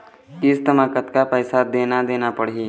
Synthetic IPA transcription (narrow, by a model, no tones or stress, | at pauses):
ɪst̪əmãːkət̪kapɛːsad̪eːnad̪eːnapəɽiː